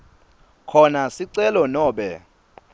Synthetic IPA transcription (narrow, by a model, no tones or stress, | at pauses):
kʰɔnasiǀɛlɔnɔːɓɛ